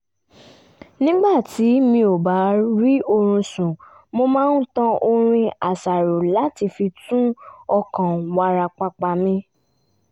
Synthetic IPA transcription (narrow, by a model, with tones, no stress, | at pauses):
nĩ˦ɡ͡ba˦˨ti˨˦mĩ˧˦o˨ba˨˦ɾi˦o˧ɾ̃ũ˧sũ˨ | mo˧mãː˦n̩˦tã˦˧o˧ɾ̃ĩ˧a˨sa˨ɾo˨la˨˦ti˧fi˧tũ˦ɔ˧kã˨wa˧ɾa˧k͡pa˧k͡pa˧mĩ˧